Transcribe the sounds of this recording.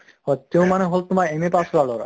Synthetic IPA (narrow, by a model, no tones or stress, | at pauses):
hɔt̪ːewmaneɦolt̪umaɾemepasʰlaloɾa̰